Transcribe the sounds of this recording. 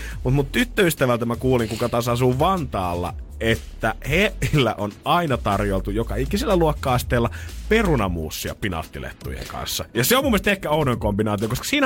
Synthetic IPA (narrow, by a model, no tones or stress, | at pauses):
mut̪mut̪t̪yt̪ːøyst̪æʋælt̪æmækuːliŋkukɑt̪ɑːsɑsuːʋɑnt̪ɑːlːɑ̰ | et̪ːæheʔilːæ̰ʔonɑinɑt̪ɑrjolt̪ujokɑeikːisilːæluokːɑːɑst̪eːlːɑperunɑmṵːsːiɑ̰pinɑ̰lt̪ːilḛt̪ːṵjḛŋkɑ̰nsːɑjɑseomumːiest̪ekːæounoeŋkombinɑːt̪iokoskɑ̥siːnæ